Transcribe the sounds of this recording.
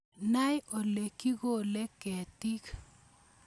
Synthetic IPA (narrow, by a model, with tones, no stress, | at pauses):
na˦jʔo˨le˨ki˦ɣo˦le˦kɛ˨ti˦k